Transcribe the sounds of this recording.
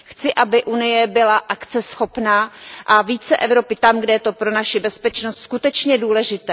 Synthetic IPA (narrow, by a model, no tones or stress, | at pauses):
xt͡sɪʔabɪʔunɪjɛbɪlaʔakt͡sɛsxo̞pnaːʔaviːt͡sɛʔɛvɾo̞pɪt̪amɡdɛjɛt̪o̞pɾonaʃɪbɛspɛt͡ʃnost̪skut̪ɛt͡ʃɲɛduːlɛʒɪt̪ɛː